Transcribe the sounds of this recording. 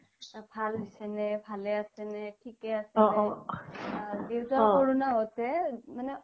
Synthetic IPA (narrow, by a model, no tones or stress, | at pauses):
pʰalbisɛnɛpʰalɛasɛnɛtʰikɛasɛɛ | diwtaoɹunaɔtɛmanɛ